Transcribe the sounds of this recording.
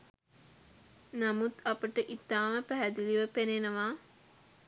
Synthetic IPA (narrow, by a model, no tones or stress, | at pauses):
namut̪apəʈəʔit̪aːməpæɦæd̪iliʋəpenenəʋaː